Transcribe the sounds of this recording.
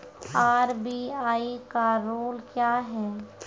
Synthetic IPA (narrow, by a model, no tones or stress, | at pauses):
aːɾbiaːikaɾoːlkjaːɦɛː